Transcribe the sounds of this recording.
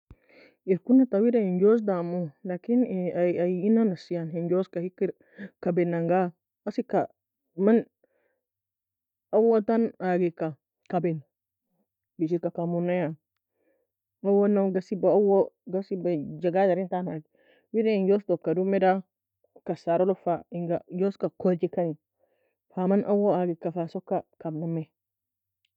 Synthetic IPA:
iɾkunatawidaind͡ʒos̬damulakinajinanasijanhind͡ʒoskahikiɾ | kabenaŋɡa | asika | man | awotanaɡika | kaben | biʃiɾkakamunaja | ŋawonaɡasibaawoɡasibad͡ʒaɡadaɾintanaɡi | wiɾeinjostokːadumːeda | kasaɾolofaiŋɡajoskakod͡ʒikani | famanʔa̰woaɡikafasokːakamname

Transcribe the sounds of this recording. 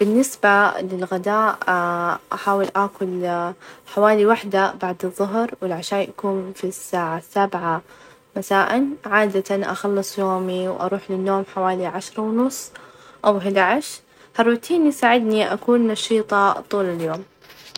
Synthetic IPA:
b̥ɪnːɪsbalɪlɣad̪aːʔ | ʔaħaːwɪlʔaːkʊl | ħawaːliwaħd̪abaʕd̪ɨðˤːʊɦɾwɪlʕaʃaːjʔakuːnfisːaːʕasːabʕa | masaːʔɪnʕaːd̪at̪anʔa̰xɑlːɨsˤjoːmiwʔɑ̰ɾˤuːħlɪnːoːmħawaːliʕaʃɾˤɑwnʊsˤː | ʔawɦɪd̪aʕɪʃ | hɑrˤːʊt̪ʰiːnjɪsaːʕɪd̪niʔa̰kuːnːɑʃiːt̪ˤɑt̪ˤuːlɪljoːm

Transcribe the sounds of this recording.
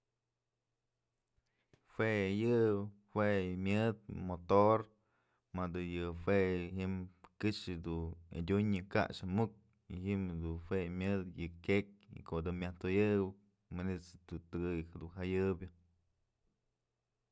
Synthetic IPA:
fwejɨ | wemʲjɨd̪̚mot̪oɾ | mad̪ɨjɨfweɦiʔmkɨʂɨd̪uḛdʲuɲɨka̰ʔʂamuk̚ | ḭɦimhd̪ufwemʲjɨd̪jɨkʲek̚ḭkod̪ɨmʲaht̪ojɨwɨ | manit͡sɨt̪ut̪ɨɡɨjhed̪unɦajɨbjɨ

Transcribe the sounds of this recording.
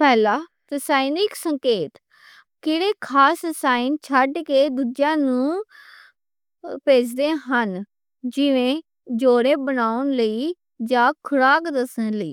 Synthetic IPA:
pɛːlaː | ɾəsaːinɪksəŋkeːt̪ | keːɽeːkʰaːsɾəsaːɪnt͡ʃʰəɖkeːd̪uːd͡ʒjãːnũː | peːt͡ʃd̪eːɦən | d͡ʒɪʋẽː | d͡ʒoːɽeːbənaːʊnləiː | d͡ʒãːkʰʊɽaːkd̪əsənləḭː

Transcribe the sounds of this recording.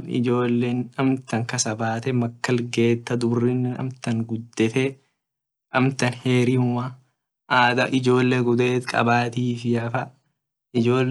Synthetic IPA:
nɪ̰d͡ʒo̞ːlːe̞ːnɐmt̪ɐŋkɐsɐbaːt̪ɛmɐkːɐlɡe̞ːt̪ːɐd̪ʊbrːinːɪnɐ̰mt̪ɐŋɡʊd̪ːɛt̪ɛ | ʔɐmt̪ɐnheːɾɪʊmɐ | ʔaːd̪ɐʔɪd͡ʒo̞ːlːeːɡʊd̪eːt̪kʼɐ̰baːt̪iːfɪjɐfɐ | ʔɪd͡ʒo̞ː

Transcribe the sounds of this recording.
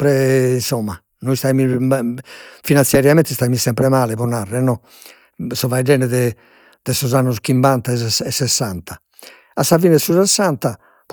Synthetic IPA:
pɾɛinsɔmːa | nɔist̪aimi | finansjaɾjamɛnt̪ɛst̪aimisɛmpɾɛmaːlɛpɔnarːɛnːɔ | sɔvajd͡ʒɛːnɛðɛ | d̪̥ɛsɔzanːus̬kimbant̪aɛsɛsːɛsːant̪ʰa | asːavinɛsusɛsːant̪a

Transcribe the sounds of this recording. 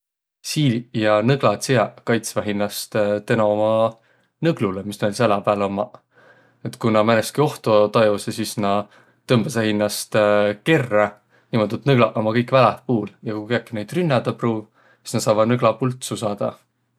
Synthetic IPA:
siːlʲijɑnɤɡ̥lɑt̪siɑkɑjt̪svæɦinːɑst̪t̪e̞noomɑ | nɤɡ̥lulemisnelʲisælɑpæːlomɑ | et̪ːˑkunɑmæneskio̞ht̪ot̪ɑjusesisnɑ | t̪ɤmb̥ɑsæɦinːɑst̪ke̞rːɑ | nimo̞d̪ut̪nɤɡ̥lɑʔomɑkɤjkːvælæhpuːljɑkujkeɑkːinejd̪̥rynːɑd̪̥ɑpruːv | si̥snɑt̪sɑːvɑd̪nɤɡ̥lɑpult̪susɑːd̪̥ɑ

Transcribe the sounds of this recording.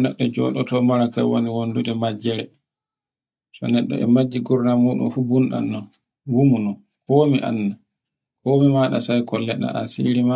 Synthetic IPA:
nɛɗːɔd͡ʒɔ̰ɗɔtɔmaɾaka̰wo̰niwonduɗɛmad͡ʒɛɾɛ | sɔ̰nɛɗːɔ̰ʔɛ̰mad͡ʒːiɡuɾnamuːɗṵnfubunɗa̰nːɔ | wumunɔ | kɔmiʔa̰nːa | kɔːmimaːɗa̰sajkɔlːɛɗa̰ʔa̰sḭɾima

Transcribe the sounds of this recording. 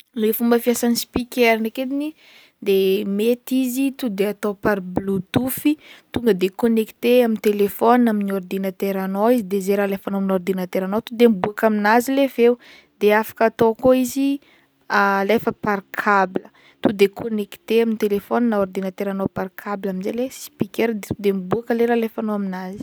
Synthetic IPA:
lefumbəfiasanispikɛɾnaked̪ini | d̪emet̪izit̪ud̪eat̪opaɾblut̪ufit̪uŋɡəd̪ekoneki̥t̪eamint̪elefɔnaminord̪inat̪eɾanoizid̪ezeɾalefanominord̪inat̪eɾanowt̪ud̪embuakaminazilevew | d̪eafḁkat̪okoizi | alefəparkʰablə | t̪ud̪ekʰoneki̥t̪eaminit̪elefɔninaoɾd̪inat̪eɾanoparkʰabilaminzelesi̥pikeɾd̪t̪ud̪embuakəleɾalefanoaminazi̥

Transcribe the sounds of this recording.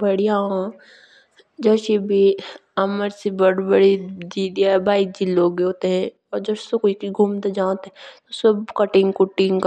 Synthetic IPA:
bɐɽijãã | d͡ʒɐʃibʱiɐməɾsibɐɽbəɽid͡ʒiːd̪ijabaːid͡ʒiloːɡoːt̪eɦɛ̃ | ɔːɾd͡ʒɐʃsokoikiɡʱuːmt̪ed͡ʒãːt̪ɛ̃t̪osɐbkɐʈɪŋɡkʊʈɪ̃ŋɡk

